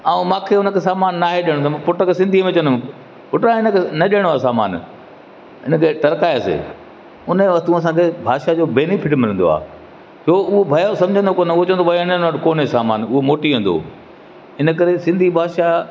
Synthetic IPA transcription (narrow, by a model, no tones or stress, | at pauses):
aːũmãːkʰeːʊnəkʰeːsaːmaːnːaːɦeɗiəɽ̃t̪ːpʊʈəksɪ̃nd̪ʱiəmẽt͡ɕɐ̃nd̪mẽ | pʊʈaɪnəkʰenɐɗiəɽ̃oaːsaːma̰ːn | ɪnə̆kʰeːʈɐɾkaːjasḛː | ʊnəʋɐt̪ũɐs̬ãkʰebʱaːʃad͡ʑoːbeːnɪfʰɪʈ̬mɪlə̃nd̪o̰a̰ː | t͡ɕʰoːʊɦobʱɐjasɐ̃md͡ʑʱə̃nd̪okoːnʊɦot͡ɕɐ̃ənd̪obʱɐɪnnaːʈkoːnɦesaːmaːnʊɦomoːʈiʋẽːnd̪o̰ː | ɪnəkɐɾesɪ̃nd̪ʱibʱaːd̪ʃa